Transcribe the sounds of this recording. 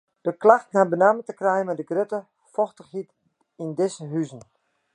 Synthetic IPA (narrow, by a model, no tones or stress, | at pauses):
d̥əklaxtnabənaːmətəkrɛjənmɛdəɡrøtə | fɔxtəxhit | indɪsəɦyzən̩